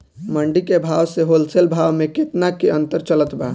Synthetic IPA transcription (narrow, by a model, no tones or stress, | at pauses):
məɳɖikebʱawseɦolselbʱaʋmẽket̪nakeənt̪əɾt͡ʃələt̪ba